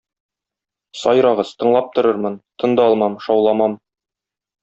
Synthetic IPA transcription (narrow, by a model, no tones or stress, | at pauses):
sɒjɾɑʁɤz̥t̪ɤ̆ɴlˠɑp̚t̪ŏɾɤɾmɤnt̪ɤ̆nd̪ɑɒlˠmɑmʃɒwlˠɑmɑm